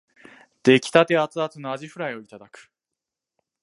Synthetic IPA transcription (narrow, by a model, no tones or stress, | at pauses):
d̪̥e̞kʲi̥t̪at̪e̞at͡sɨat͡sɨnoaʑiɸɯ̟ɾaio̞it̪ad̪akɯ̟̥